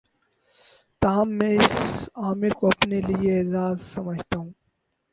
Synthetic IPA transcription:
t̪ɐɦɐmːɛ̃ɪsaːmɪɾkoɐpnelieeːzaːzsɐməd͡ʒʱt̪aɦũː

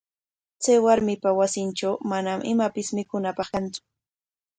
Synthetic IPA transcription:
t͡sajwaɾmɪpawasɪnʈ͡ʂawmanamʔɪmapɪsmɪkʊnapɑχkant͡sʊ̥

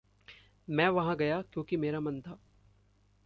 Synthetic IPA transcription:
mɛ̃ːʋɐɦãɡɐjakjõːkimeːɾamɐ̃nt̪ʰaː

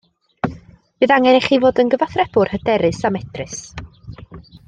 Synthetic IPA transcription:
b̥ɨðaŋɛnɛχivoːdənɡəvaθrɛb̥ʊrhədɛɾɨsamɛtrɨs

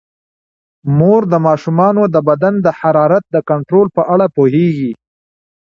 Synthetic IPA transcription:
moɾd̪əmɑʃumɑnod̪əbad̪and̪əħaɾɑɾat̪̚d̪əkaɳʈɾolpəʔaɽapoɦeɡi

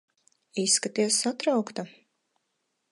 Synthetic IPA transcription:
isːkat̪iɛsːat̪ɾawkt̪a

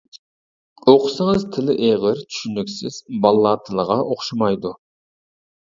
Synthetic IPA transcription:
oqʰʊsɨŋɨzt̪ʰɪlɪʔeʁɪɾt̪ʰy̥ʃynykʲsɪz̥bɑlˠːɑːt̪ʰɨlˠəʁɑʔoχʃɑmɑjd̪u

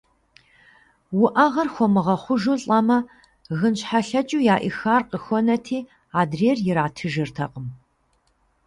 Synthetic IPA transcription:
wʊʔɐʁɐrxʷɔmɨʁɐχʷʊʒuɬʼɐmɐ | ɣɨnɕħaɬɐt͡ʃʼuːjaːʔixaːrqəxʷɔnɐtʰiː | aːdreːrjɪɾaːtʰɨʒɨrtʰɐ̰qəm

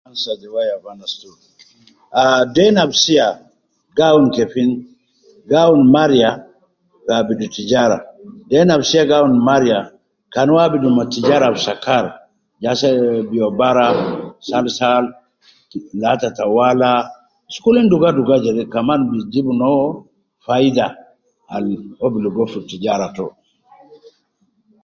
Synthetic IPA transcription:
ansad͡ʒɛwajavanastu | adɛnabsia | ɡawunkɛfin | ɡawunmaɾija | ɡabidutid͡ʒaɾa̰dɛnabsiaɡawunmaɾija | kanwabidumatid͡ʒaɾabsakaɾ | d͡ʒasɛbiɔbaɾasalsal | latatawala | skulinduɡaduɡad͡ʒɛdɛkamanbid͡ʒibunɔ | fajida | a̰lobiluɡɔfutid͡ʒaɾatɔ

